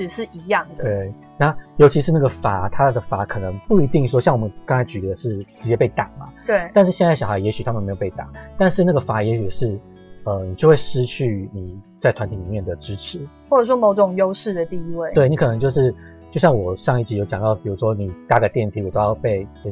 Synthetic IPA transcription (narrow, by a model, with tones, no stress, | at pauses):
ʈ͡ʂɻ̩˨˩ʂɻ̩˥˩i˧˥jɑ˥˩ŋd̪əwe˥˩ɪ | na˥˩jo˧˥ʊt͡ɕʰi˧˥ʂɻ̩˥˧na˥˩ɡə˩fa˧˥˦t̪ʰa˥d̪ə˨fa˧˥˦kʰɤ˨˩nɤ˧˦ŋpu˥˩i˧˥t̪i˥˧ŋʂ̬wɔ˥ɕjɑ˥˩ŋwɔ˨˩mə˦nkɑ˥ŋt͡sʰa˧˥ɪt͡ɕy˧˥d̪ə˧˩ə˧ʂɻ̩˥˩ʈ͡ʂɻ̩˧˥t͡ɕjɛ˥pe˥˩ɪt̪ɑ˨˩ŋmɐ̰˩t̪we˥˩ɪt̪nʂɻ̩˥˧ɕjɛ˥˧nt͡sa˥˩ɕɑ˨˩xa˧˥ɪjɛ˧˥ɕy˨t̪ʰa˥mə˨nme˧˥jo˨˩pe˥˩ɪt̪a̰˨˩ŋt̪a˥˧nʂɻ̩˥˧na˥˩ɡə˩fa˧˥jɛ˧˥ɕy˨˩˨ʂɻ̩˥˩ | ə˧ni˨˩t͡ɕjo˥˧ʊwe˥˩ʂɻ̩˥t͡ɕʰy˥˩ni˨˩t͡sa˥ɪt̪ʰwa˧˦nt̪ʰi˨˩li˨˩mjɛ˥˩nd̪ə˩ʈ͡ʂɻ̩˥ʈ͡ʂʰɻ̩˧˥˦xwɔ˥˩ʈ͡ʂə˨˩ʂwɔ˥mo˧˥ʊʈ͡ʂŋjo˥ʊʂɻ̩˥˩d̪ə˨˩t̪i˥˧i˦˥we˥˩ɪwe˥˩ɪni˧˥kʰɤ˨˩nɤ˧˦ŋt͡ɕjo˥˧ʊʂ̬ɻ̩˥˩ | t͡ɕjɕjɑ˥˩ŋwɔ˨˩ʂɑ˥˧ŋi˥˩t͡ɕi˧˥jo˧˥ʊt͡ɕjɑ˨ŋt̪ɑ˥˩ʊpi˨˩ɻu˧˥ʂwɔ˥ni˨˩t̪a˥ɡə˨˩t̪jɛ˥˧nt̪ʰi˧˥wɔ˨˩t̪o˥˧˥jpe˥˩ɪ˧